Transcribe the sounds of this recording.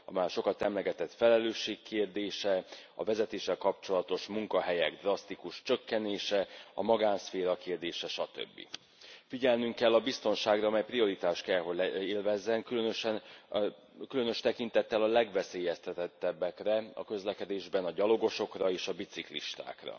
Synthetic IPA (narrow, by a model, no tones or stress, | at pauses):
ɒ̰maːrʃo̞kɒt̪ɛmlɛɡɛt̪ɛt̪fɛlɛløːʃːeːkːeːrd̪eːʃɛɒ̰vɛzɛt̪eːʃːɛlkɒpt͡ʃo̞lɒt̪o̞ʃmuŋkɒɦɛjɛɡd̪rɒst̪ikuʃt͡ʃø̞kːɛneːʃɛɒ̰mɒɡaːnsfeːɾɒkeːrd̪eːʃɛʃɒt̪ø̰bːḭ | fiɟɛlnyŋkːɛlːɒbist̪o̞nʃaːɡrɒɒmɛjprio̞ɾit̪aːʃt̪kɛlɦo̞ɟeːlvɛzːɛŋkylønøʃɛn | kylø̞nø̞ʃt̪ɛkint̪ɛt̪ːɛlɒlɛɡʋɛseːjɛst̪ɛt̪ɛt̪ːɛbːɛkrɛɒ̰kø̞zlɛkɛd̪eːʒbɛnɒɟɒlo̞ɡo̞ʃo̞krɒeːʃɒbit̪siklḭʃt̪a̰ːkrɒ̰